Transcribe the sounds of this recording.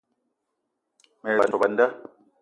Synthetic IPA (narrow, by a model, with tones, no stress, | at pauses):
meː˨a˨ɔ˨ba˨nda˦